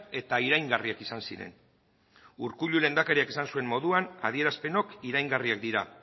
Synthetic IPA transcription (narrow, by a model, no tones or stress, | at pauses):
e̞t̪aiɾajŋɡariakisansiɾe̞̰n | uɾkuʎule̞nd̪akaɾiakisansue̞mmo̞ðuana̰ð̞ie̞ɾaspe̞no̞kiɾajŋɡariak̚d̪iɾa̰